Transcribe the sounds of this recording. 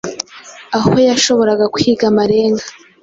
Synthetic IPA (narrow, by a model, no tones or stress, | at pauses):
aho̞jaʃo̞βo̞ɾaɡakuhiɡamaɾe̞ːŋɡḁ